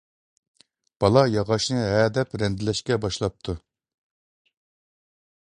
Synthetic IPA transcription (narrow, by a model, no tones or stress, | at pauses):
b̥ɑlˠɑjɑʁɑʃnɨɦɛːd̪ɛpɾɛnd̪ɪlɛʃkʲɛbɑʃlˠɑp̚t̪ʰu